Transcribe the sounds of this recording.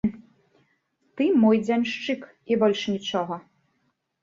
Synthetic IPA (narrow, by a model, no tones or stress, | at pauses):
t̪ɨmɔjd͡zʲanʲʂt͡ʂɨk | ibɔlʲʂnʲit͡ʂɔɣɐ